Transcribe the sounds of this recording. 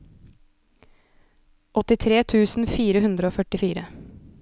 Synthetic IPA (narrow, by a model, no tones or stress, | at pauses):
ʔɔt̪ɪt̪ʰɾeːt̪ʰʉːsn̩fiːɾəhʉnd̪ɾəoːfœʈɪfiːɾə̰